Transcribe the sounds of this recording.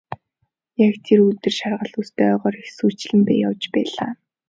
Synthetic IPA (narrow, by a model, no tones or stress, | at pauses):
jakt̪ʰirut̪ɘ̆rʃarʁə̆ɮust̪æœːʁɔːɾixsuːt͡ɕɮɘ̆mpæːjawt͡ɕpæːɮa̰ː